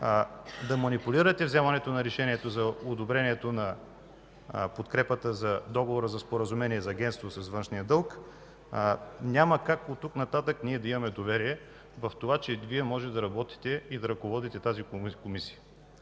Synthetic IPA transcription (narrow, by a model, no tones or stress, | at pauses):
d̪ɐmɐnipuliɾət̪ɛvzɛmɐnɛt̪onɐɾɛʃɛniɛt̪ozɐod̪obɾɛniɛt̪onɐ | pot̪kɾɛpət̪əzɐd̪ɔɡovoɾəzɐspoɾəzumɛniɛzɐːɡʲɛnt̪st̪vosɐsvɤnʃnijəd̪ɤlˠk | nʲaməkakot̪ːuknɐt̪at̪əkniɛd̪ɐimɐmɛd̪ovɛɾiɛ | vɐft̪ovat͡ʃɛviɛmɔʒɛt̪ɛd̪ɐɾɐbɔt̪i̥t̪ɛid̪ɐɾɐkovɔd̪it̪ɛt̪azikomisiə̥